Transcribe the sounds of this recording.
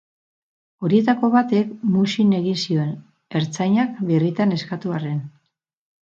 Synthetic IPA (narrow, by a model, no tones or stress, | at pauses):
o̞ɾie̞t̪ako̞βat̪e̞kmuʃine̞ɣinsioe̞n | e̞ɾt͡sajɲak̚βirit̪ane̞skat̪uare̞n